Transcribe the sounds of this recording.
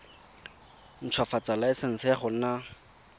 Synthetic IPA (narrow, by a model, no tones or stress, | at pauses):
n̩t͡sʰwafat͡salaɪsɪn̩t͡sʰɛaχʊn̩na